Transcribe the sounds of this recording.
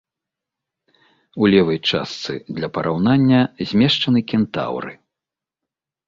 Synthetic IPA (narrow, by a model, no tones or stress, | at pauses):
ulʲɛvɐjt͡ʂa̰st̪sɨ̰d̪lʲɐpɐɾʔawnanʲːɐzʲmʲɛʂt͡ʂɐnɨkʲɛnt̪a̰wɾɨ̰